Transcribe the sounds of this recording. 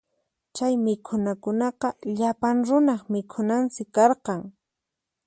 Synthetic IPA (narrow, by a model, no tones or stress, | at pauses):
t͡ʃajmɪkʰʊnakʊnɑqɑʎapaŋɾʊnɑχmɪkʰʊnansɪkɑɾqɑŋ